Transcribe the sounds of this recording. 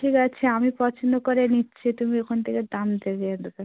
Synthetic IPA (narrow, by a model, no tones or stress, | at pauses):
ʈʰikat͡ɕʰeamipɔt͡ɕʰond̪okoɾenitːɕʰit̪umiekʰont̪ʰeked̪amd̪eɡed̪ot̪e